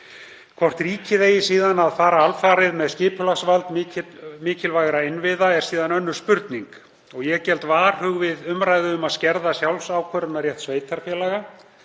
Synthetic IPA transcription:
kʰvɔr̥t̪riːcɪðeːjɪsiːðanaðfaːɾaalfaːɾɪðmɛðscɪːpʏlaxsvalt̪mɪmɪːcɪlvaːjɣɾaɪnvɪðaɛɾ̥siːðanœnːʏ̥spʏɾt̪niŋk | ɔɣjɛɣcɛlt̪vaːɾ̥hʏɣvɪðʏmɾajðɪʏmaðscɛɾðasjawlsaːwkʰvœɾʏnaɾjɛht̪sveːjt̪ʰaɾ̥fjɛːlaɣa

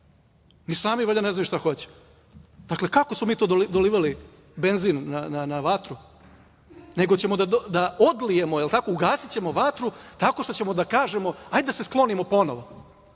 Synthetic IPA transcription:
nisaːmiʋoʎaneznajuʃt̪axo̞t͡ɕe̥ | d̪akle̞kako̞smomiːt̪oːd̪olid̪oliːʋali | be̞nziːnːananaʋat̪ɾu | ne̞ɡot͡ɕe̞mod̪ad̪d̪ao̞d̪lije̞moelˠt̪ako̞uɡaːsit͡ɕe̞mo̞ʋat̪ɾut̪ako̞ʃt̪o̞t͡ɕe̞mod̪akaːʒe̞mo̞ajd̪d̪ase̞sklˠo̞nimo̞po̞noʋo̞

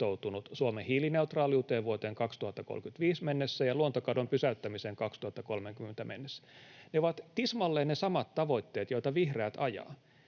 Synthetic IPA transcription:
owt̪unut̪suomehiːlineut̪rɑːljuːt̪eːʋʋuot̪eːŋkɑkst̪uhɑt̪ːɑko̰lkyt̪ʋiːsmenːesːæjɑluont̪okɑdompysæyt̪ːæmiseŋkɑkst̪uhɑt̪ːɑkolmeŋkymːent̪æmenːesːæ̥neoʋɑt̪t̪ismɑlːeːnnesɑmɑt̪t̪ɑʋo̞it̪ːeːt̪joit̪ɑʋihreæt̪ɑjɑ̰ː

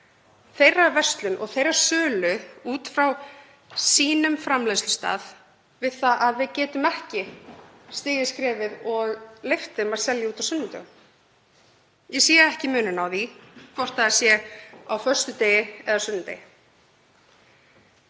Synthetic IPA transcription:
θejrːavɛ̥st̪lʏnʔɔ̰ɣθejɾaɾ̥sœːlʏuːt̪fɾaw | siːnʏmfɾamleslʏst̪a̰ːð | vɪðθaʔaðvɪðcɛːt̪ʏmɛhcɪ | st̪ɪːjɪskɾɛːvɪðɔɣleft̪ɪmaðsɛljauːt̪awsʏnːʏmt̪ɛ̰ɣʏm | jɛsiːaɛhcɪmʏːnʏnawðikʰvɔr̥t̪aḁsjɛawfœr̥st̪ʏt̪eːjɪɛðasʏnːʏt̪ḛjɪ

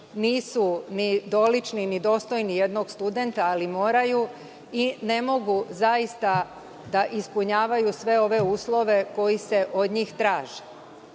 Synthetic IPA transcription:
niːsunid̪o̞lit͡ʃninid̪o̞ːst̪o̞jnije̞d̪no̞ɡst̪ud̪e̞nt̪aːlimo̞ːɾaju | ine̞mo̞ɡuzaist̪a | d̪aʔispuɲaːʋajusʋe̞o̞ʋe̞uːslˠo̞ʋe̞ko̞jise̞ʔo̞d̪ɲiːxt̪ɾaːʒe̥

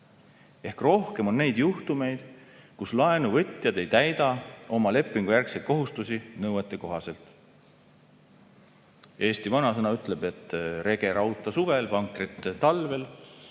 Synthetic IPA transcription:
e̞hkro̞hke̞mo̞nːe̞jd̪̥juht̪ume̞jd̪̥kuslɑe̞nuvɤt̪ʲːˑjɑd̪e̞jt̪æjd̪̥ɑo̞mɑle̞pːˑiŋɡ̥ujærksejt̪̚ko̞ɦust̪usinɤwet̪ːˑeko̞ɦɑse̞lt̪ˑ | e̞ːst̪ivɑnɑsɤnɑyt̪ːˑle̞be̞t̪ːˑre̞ɡ̥e̞ɾɑwt̪ːˑɑsuve̞lvɑŋkrit̪ːt̪ɑlve̞l

